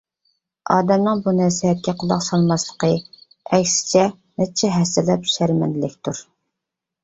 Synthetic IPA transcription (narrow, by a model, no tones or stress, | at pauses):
ɑːd̪ɛmnɨŋbunæsiɦɛt̪̚kʲɛqʰʊlˠɑqsɑlˠmɑslˠə̥qʰə | ɛkʲsɪ̥t͡ʃʰɛ | nɛt͡ʃʰɛɦɛsɪlɛpʃæɾmɛ̰nlɪkʲt̪ʰuɾ